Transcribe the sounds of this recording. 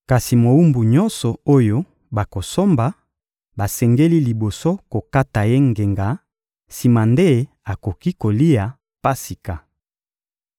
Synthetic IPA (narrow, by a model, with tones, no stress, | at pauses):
ka˨si˨mo˨wu˦mbu˨ɲɔ̃˦nsɔ˨o˦jo˦ | ba˨ko˨so˦mba˨ | ba˨sɛ˨ŋɡe˦li˦li˨bo˨so˦ko˨ka˦ta˨je˦ŋɡe˨ŋɡa˨ | si˨ma˨nde˦˨ | a˨ko˨ki˦ko˨li˦ja˨ | pa˦si˨ka˨